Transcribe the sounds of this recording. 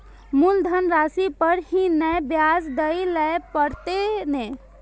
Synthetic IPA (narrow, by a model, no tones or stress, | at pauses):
muld̪ʱənɾasipəɾhĩnɛjbjad͡ʒd̪əjlɛpəɾt̪enɛ